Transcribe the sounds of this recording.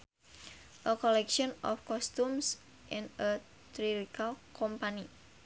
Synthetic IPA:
ʔəkɔlɛkʃɔnɔ̰fkɔst̪ums | ʔɪnə | t̪ɾilikalkʰɔmpani

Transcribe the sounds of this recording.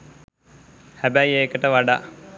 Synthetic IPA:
hæbæjeːkəʈəʋaɖa̰

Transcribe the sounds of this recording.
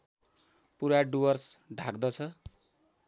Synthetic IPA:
puɾaɖuwʌrsɖʱakd̪ʌt͡sʰʌ

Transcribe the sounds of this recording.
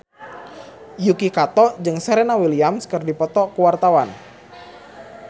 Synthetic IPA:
jukikat̪ɔd͡ʒɨŋsɛɾɛnawiliamskərdipɔt̪ɔkuwart̪awan

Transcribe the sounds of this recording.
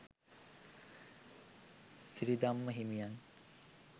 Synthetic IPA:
siɾid̪amːəɦimijaŋ

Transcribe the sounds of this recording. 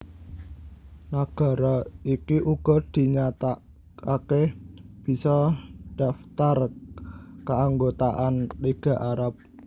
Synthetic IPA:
naɡ̥a̤ɾɔikiʔuɡ̥ɔ̤d̪̥i̤ɲat̪a | akeb̥i̤sɔd̥a̤ft̪ar | kəaŋɡot̪aʔanliɡ̥a̤ʔaɾap̚

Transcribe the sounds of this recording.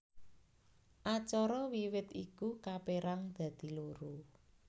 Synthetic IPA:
ʔat͡ʃɔɾɔwiwɪt̪ikukapeɾaŋd̪̥ä̤d̪̥i̤luɾu

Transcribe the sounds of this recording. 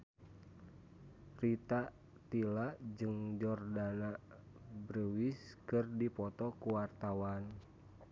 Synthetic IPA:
rit̪a | t̪ilaʔd͡ʒɨŋd͡ʒɔrdana | bɾəwiskɨrdipɔt̪ɔkuwart̪awan

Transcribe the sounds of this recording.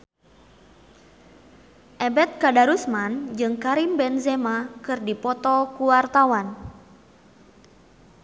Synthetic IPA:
ʔɛbɛt̪̚kadaɾusmand͡ʒɨŋkaɾimbɛnzɛmakɨrdipɔt̪ɔkuwart̪awan

